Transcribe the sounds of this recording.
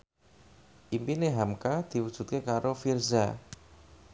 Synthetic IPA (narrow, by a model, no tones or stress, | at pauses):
ʔimpineɦamkad̪̥i̤wud̥ʒ̥ṳt̪̚kekaɾofirza